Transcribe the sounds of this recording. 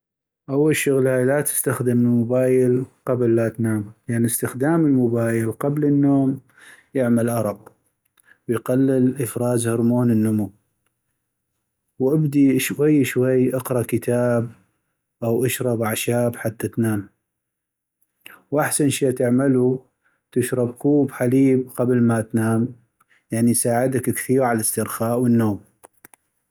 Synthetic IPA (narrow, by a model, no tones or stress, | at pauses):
ʔawːalʃʊɣlaːlat̪ɪ̥st̪axd̪ɪmɪlmʊbaːjɪlqablːat̪naːmjaanəst̪ɪxd̪aːməlmʊbaːjɪlqablənːoːm | jɪʕmalʔɑɾˤɑq | wjqalːɪlʔəfɾˤɑːzhɑɾˤmoːnənːʊmu | wʔabd̪iʃwajːʃwajːʔɑqɾˤɑkət̪ʰaːb | ʔawʔaʃɾˤɑbaʕʃaːbħat̪ːat̪naːm | wʔaħsanʃaːt̪ɪʕmalu | t̪ɪʃɾˤɑbkuːbħaliːb̚qablmat̪naːm | jaʕnisaːʕɪd̪akkθiːɾʕalɪst̪ɪɾxaːʔwənːoːm